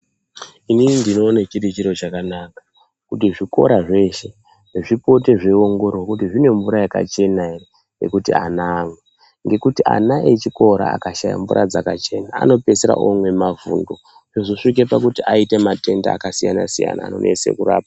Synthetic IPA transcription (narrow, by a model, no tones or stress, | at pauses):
iniindino̞ːnet͡ʃirit͡ʃiɾo̞t͡ʃakanaːkḁ | kutiʐiko̞̰ɾaʐe̞ʃe̞ | ʐeʐipo̞te̞ʐe̞o̞ŋɡo̞ɾookutiʐine̞mvuɾajaka̰t͡ʃe̞naere | jḛkutianaːmwe | ŋɡe̞kutia̰naet͡ʃiko̞ɾa̰a̰kaʃaja̰ɱvuɾa̰d͡zakat͡ʃe̞naa̰no̞pe̞seɾa̰ʔomwe̞mavṵndo̞ | ʐozoʂik̬e̞pakutiʔaite̞mate̞ndaːkasija̰na̰sija̰na̰ːno̰nḛse̞̰kuɾa̰ːp̚aa